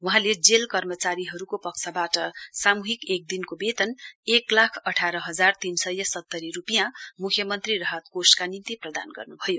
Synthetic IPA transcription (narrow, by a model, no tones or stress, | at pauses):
wuɦãled͡zelkʌrmʌt͡saɾiɦʌɾukopʌksʰabaʈʌsamuɦikek̚d̪inkobet̪ʌneklakʰʌʈʰaɾʌɦʌd͡zart̪insʌjʌsʌt̪ːʌɾiɾupijãmukʰjʌmʌnt̪rirʌɦʌt̪̚koskanint̪iprʌd̪a̰nɡʌ̰rnubʱʌjo